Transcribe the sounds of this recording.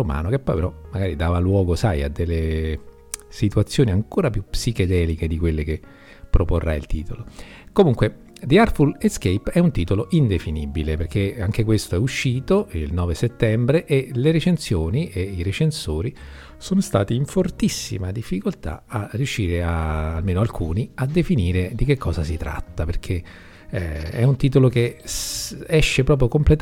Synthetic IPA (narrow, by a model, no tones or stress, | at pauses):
oma̰ːnokepːɔjpeɾɔmaɡaːɾid̪aːvalwɔːɡosaja̰d̪ːelːe | sit̪uat̪sːjoːniaŋkoːɾapjupːsiked̪ɛːliked̪ikwelːeke | pːɾoporːa̰jḭlt̪ḭːt̪olo | komuŋkwe | d̪iarfuleskejpɛunt̪iːt̪oloʔind̪efinibileperkeaŋk̟ekwest̪oɛuʃːiːt̪oḭlnɔːveset̪ːɛmbɾeʔeleɾet͡ʃensjoːniʔeiɾet͡ʃensoːɾi | soːnost̪a̰ːt̪iiɱfort̪isːḭmad̪ifːikolt̪a̰arːiuʃːiːɾeaːlmeːnoalkʰuːniad̪ːefiniːɾed̪ik̟ekːɔːzasit̪ɾa̰t̪ːaperkʰe | ɛ̰unt̪iːt̪oloke | ɛʃːepɾɔːp̬ɾjokomplet̪